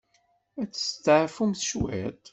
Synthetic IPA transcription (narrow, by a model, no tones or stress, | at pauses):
æt͡sːə̥st̪əʕfumθʃwæ̰t̪